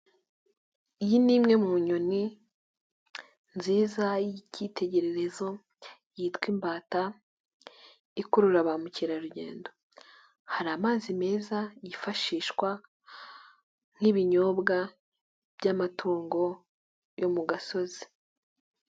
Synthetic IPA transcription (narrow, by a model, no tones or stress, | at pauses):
ijiniːmŋe̞muːɲoni | nziːzaicite̞ɟe̞ɾe̞ɾe̞zo̞ | jiːtwiːmbaːta | ikuɾuɾaβamuciɾaɾuɟe̞̰ːndo̞ | haɾaːmaːzime̞ːzajifaʃiːʃkwa | n̥hiβiɲo̞ːbɡa | b̥jɟamatʰuːŋɡo̞ | jomuɡaso̞zi̥